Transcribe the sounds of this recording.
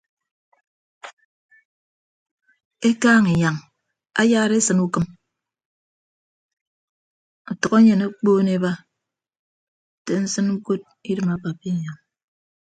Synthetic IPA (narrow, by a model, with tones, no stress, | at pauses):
e˦kaː˦ŋe˨ɲa˨ŋ | a̰˦jaː˦ɾe˦sɨ˨nu˦kɨ˦m | ɔ˨tɔ˨ko˦ɲe˨ne˦k͡poː˦ne˦ba˦˨ | te˨n̩˦sɨ˦nŋ̩˦ko˦t̚ | i˦dɨ˨ma˨pa˨pi˦˨ɲa˨ŋ